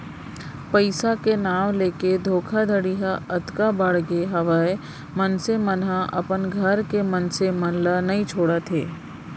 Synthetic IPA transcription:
pəɪsakenaːʋleːked̪ʱoːkʰad̪ʱəɽiɦaɐt̪kabəɽɡeɦɐʋaːe | mənsemənɦãʔɐ̰pənɡʱɐɾkemɐnsemɐnlanɐɦĩt͡ʃʰoːɽat̪ʰeː

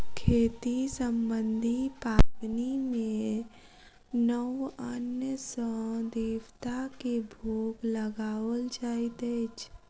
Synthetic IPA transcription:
kʰeːt̪isəmbə̃nd̪ʱipaːbnimẽ | nəwənjəsəd̪iːwt̪akibʱuːkləɡaːwəld͡ʒaːit̪et͡ʃʰ

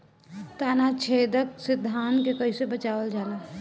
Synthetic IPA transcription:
t̪aːnat͡ʃʰed̪əksɪd̪ʱːaːnkekəisebət͡ʃaːʋəld͡ʒaːla

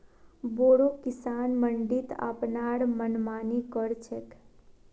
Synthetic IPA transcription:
boɽokisanməɳɖit̪a̰pnaɽmənmanikəɾt͡ʃʰek

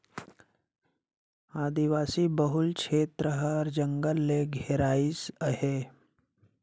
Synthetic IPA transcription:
aːd̪iʋaːsibəɦulkʰeːt̪ɾəɦəɾd͡ʒəŋɡəlːeɡʱeɾaːisəɦe

